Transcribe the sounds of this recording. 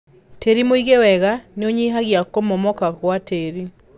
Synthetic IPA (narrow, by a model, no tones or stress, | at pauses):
teɾimoiɣewɛɣaneoɲiɦaɣjakomɔmɔkaɣwateɾi